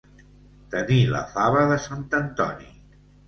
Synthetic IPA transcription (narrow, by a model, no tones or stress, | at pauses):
t̪ənilə̰faβəðəsant̪ənt̪ɔnḭ